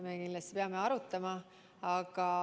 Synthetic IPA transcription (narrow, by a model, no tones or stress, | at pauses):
mekinlɑst̪i̥peɑme̞ɑɾut̪ːˑɑmɑ | ɑɡ̥ɑ